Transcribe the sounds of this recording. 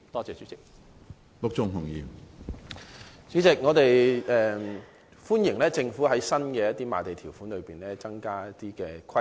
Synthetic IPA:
t̪ɔː˥t͡sɛː˨˧t͡ʃyː˨˥t͡sɪ˨k̚ | lʊ˨k̚t͡sʊ˨ŋɦʊ˨˩ŋjiː˨m | t͡sy˨˥t͡sɪ˨k̚ŋɔː˨˧t̪e˨jɛː˨ | fuː˥njɪ˨˩ŋlɛː˥t͡sɪ˧ŋfuː˨˥ɦɐ˨˥jsɐ˥nkɛː˧jɐ˥t̪iː˥ma̰ː˨˩t̪e˨jt̪ʰiː˨˩wfuː˨˥nlɵ˨˧ɥpiː˨nlɛː˥t͡sɐ˥ŋkaː˥jɐ˥tt̪iː˥kɛː˧kʰɐ˥

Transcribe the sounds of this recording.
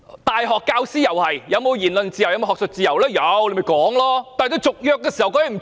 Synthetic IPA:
t̪aː˨jɦɔː˨˩kːaː˧wsiː˥jɐ˨˩whɐ˨jjɐ˨˧wmo˨˧wjiː˨˩nlɵ˨nt͡siː˨jjɐ˧m˧hɔː˨k̚sɵ˨t̚t͡siː˨˧jɐ˨˩wlɛː˥jɐ˨˧wle˨˥jmɐ˨˩jkɔː˨˥ŋlɔː˥t̪aː˨t̪o˧wt͡sʊ˨k̚jœː˧k̚ːɛː˧˥siː˨˩hɐ˨wkɔː˨˧˥jm̩˨˩

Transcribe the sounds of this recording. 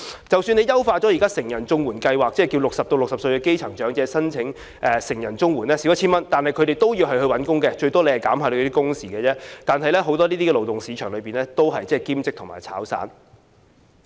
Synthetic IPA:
t͡sɐ˨wsyː˧ne˨˧jɐ˥wfaː˧t͡sɔ˨˥iː˨kaː˥sɪ˨˩ŋjɐ˨˩nt͡sʊ˧ŋwuː˨˩nkɐ˧jwaː˨k̚t͡sɛː˥˩ki˧wlʊ˨k̚sɐ˨p̚t̪o˧wlʊ˨k̚sɐ˨p̚sɵ˧ɥkɛː˧˥ke˥jt͡sʰɐ˨˩ŋt͡ʃœː˨˥ŋt͡sɛː˧sɐ˥nt͡sʰɪ˨˥ŋ | ʔɛː˨˧sɪ˨˩ŋjɐ˨˩nt͡sʊ˥ŋwuː˨˩nlɛː˥si˨˥wjɐ˥t͡ɕʰiː˥mɐ˥nt̪aː˨nɦɐ˨jkʰɵ˨˧ɾe˨˩jt̪o˥wjiː˧wɦɐ˨jɦɵ˧wɐ˨˥nkʊ˥ŋkɛː˧t͡ʃɵ˧ɥt̪ɔː˥le˧jhɐ˨jkaː˨˥mhaː˧t̪o˧˥t̪iː˥kʊ˥ŋsiː˨ɡɛː˧t͡sɛː˥t̪aː˨nɦɐ˨jlɛː˥ɦo˨˧wt̪ɔ˥liː˥t̪iː˥ɛ˧lo˨wt̪ʊ˨˩ŋsiː˨˧t͡ʃʰœː˨˩ŋlɵ˨˧piː˨˩nlɛː˥t̪o˥wɦɐ˨jt͡sɛː˥˩kiː˥mt͡sɪ˥k̚tʰʊ˨ŋma̰ː˨˩jt͡sʰa̰ː˨˥wsa̰ː˨˥n

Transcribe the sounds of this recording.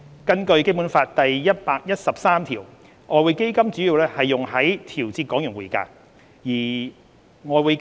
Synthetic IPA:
kɐ˥nkɵ˧ɥke˥jpuː˨˥nfaː˧t̚t̪ɐ˨jjɐ˥t̚paː˧k̚jɐ˥t̚sɐ˨p̚saː˥mt̪ʰiː˨˩w | ŋɔː˨˧wuː˨˧jke˥jkɐ˥mt͡syː˨˥ji˧wlɛː˥hɐ˨jːʊ˨ŋhɐ˨˥jt̪ʰiː˨˩wt͡siː˧t̚kɔː˨˥ŋjʊ˨˩nwuː˨˩jka̰ː˧n | jiː˨˩ | ŋɔː˨˧wu˨˧j

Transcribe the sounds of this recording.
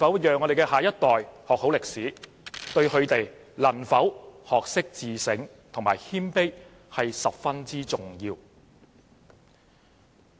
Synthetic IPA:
fɐ˨˥wjœː˨ŋːɔ˨˧ɾe˨jkɛː˧haː˨˩jɐ˥t̚t̪ɔː˨jhɔː˨k̚ho˨˥wlɪ˨k̚siː˨˥ | t̪ɵ˧ɥhɵ˨˧ɥt̪e˨j | lɐ˨˩nfɐ˨˥whɔː˨k̚sɪ˥k̚t͡siː˨sɪ˨˥ŋ | t̪ʰʊ˨˩ŋmaː˨˩jhiː˥mpe˥j | hɐ˨jsɐ˨p̚fɐ˥nt͡siː˥t͡sʊ˨ŋjiː˧w

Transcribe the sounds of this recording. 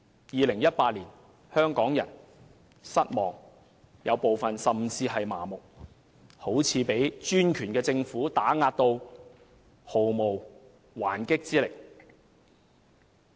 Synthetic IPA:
jiː˨lɪ˨˩ŋjɐ˥t̚paː˧t̚liː˨˩n | hœː˥ŋkɔː˨˥ŋjɐ˨˩n | sɐ˥t̚mɔː˨˩ŋ | jɐ˨˧wpo˨wfɐ˨nsɐ˨mt͡siː˧ɦɐ˨jma̰ː˨˩mʊ˨k̚ | ho˨˥wt͡sʰiː˨˧pe˨˥jt͡ʃyː˥nkʰyː˨˩nkɛː˧t͡sɪ˧ŋfuː˨˥t̪aː˨˥ŋaː˧t̚t̪o˧w | ho˨wmo˨w | waː˨˩nkɪ˥k̚t͡siː˥lɪ˨˩k̚

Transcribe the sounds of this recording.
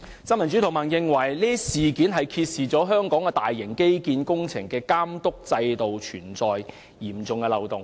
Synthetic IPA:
sɐ˥nmɐ˨˩nt͡ʃy˨˥t̪ʰʊ˨˩ŋmɐː˨˩njɪ˨ŋwɐ˨˩jliː˥siː˨˩ki˨˥nɦɐ˨jkʰiː˧t̚siː˨t͡sɔː˨˥ɦœː˥ŋkɔː˨˥ŋkɛː˧t̪aː˨jːɪ˨˩ŋke˥jkiː˧nkʊ˥ŋt͡sʰɪ̰˨˩ŋkɛː˧kaː˥mt̪ʊ˥k̚t͡sɐ˧jt̪o˨wt͡ʃʰyː˨˩nt͡sɔː˨j | jiː˨˩mt͡sʊ˨ŋkɛː˧lɐ˨wt̪ʊ˨ŋ

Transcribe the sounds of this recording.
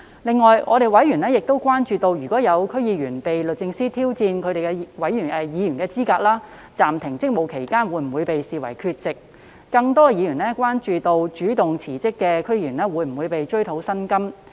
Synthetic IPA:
lɪ˨ŋːɔː˨jʔɔ̰˨˧ɾe˨˩jwɐ˨˥jyː˨˩nɛ˥jɪ˨k̚t̪o˥wkʷwaː˥nt͡ʃyː˨˧t̪o˧wjyː˨kɔː˨˥jɐ˨˧wkʰɵ˥ɥjiː˨˧jyː˨˩npe˨jlɵ˨t̚t͡sɪ˧ŋsiː˥t̪ʰiː˥wt͡siː˧nkʰɵ˨˧t̪ɾe˨jkɛ˧wɐ˨˥jy˨˩nɛ˨˧jiː˨˧jy˨˩nkɛː˧t͡siː˥kaː˧k̚laː˥ | t͡saː˨mt̪ʰɪ˨˩ŋt͡sɪ˥k̚mo˨˧wkʰe˨˩jkaː˥nwuː˨˧˥jm̩˨˩wuː˨˧jpe˨jsiː˨wɐ̰˨˩jkʰyː˧t̚t͡sɪ˨k̚ː | ɐ˧ŋt̪ɔː˥˧jiː˨˧jyː˨˩nɛː˥kʷwaː˥nt͡ʃyː˨t̪o˧wt͡ʃyː˨˥t̪ʊ˨ŋt͡sʰiː˨˩t͡sɪ˥kːɛː˧kʰɵ˥ɥjiː˧˩yː˨˩nɛː˥wuː˨˧jm̩˨˩wuː˨˧jpe˨jt͡ʃɵ˥ɥt̪ʰo˨˥wsɐ˥nkɐ˥m

